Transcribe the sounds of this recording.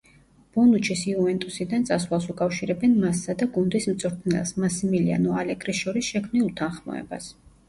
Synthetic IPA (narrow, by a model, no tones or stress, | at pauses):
b̥ɔnut͡ʃʰisiuvɛnt̪ʼusid̪ant̪sʼaswalˠsukʼafʃiɾɛbɛnmasːad̪aɡund̪ism̩t̪sʼɾt̪ʰnɛ̰lˠsmasimilia̰nɔalɛɡɾisʃɔɾisʃɛkʰmniut̪ʰanχmɔ̰ɛ̰ba̰s